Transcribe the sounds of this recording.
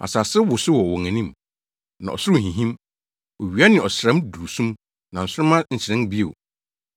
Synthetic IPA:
ʔa̰˨sa˨sɪ˦wʊ˨sʊ˦wɔ˨wɔ˨ŋæ̃˨nĩ˦m | nã̰˨ʔɔ̰˨sʊ˦ɾʊ˦˨ɦĩ˨ɦĩ˦m | o˨ɥi˨a˦nɪ̃˨ɔ˨ɕɾɛ̃˦mdu˨u˨sũ˦m | nã˨n̩˨sʊ˦ɾʊ˦mã˦n̩˨t͡ɕʰɪ˨ɾɪ̃˦nbi˦e˨

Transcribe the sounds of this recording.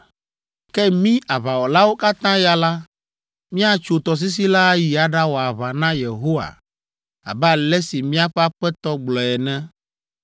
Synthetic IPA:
kɛ˦mĩ˦a˨βa˨wɔ˨la˦wo˦ka˦t̪ã˦ja˨la˦ | mĩ˦a˨t͡ʃo˨t̪ɔ˨s̬i˦s̬i˦la˦ji˨a˨ɖa˦wɔ˨a˨βa˨nã˦je˨ɦo˦wa̰˨ | a̰˨bɛ˦a˨lɛ˦si˨mĩ˦a˦ɸɛ˦a˦ɸɛ˦t̪ɔ˦ɡ͡blɔ˨ɛ˨nɛ̃˦

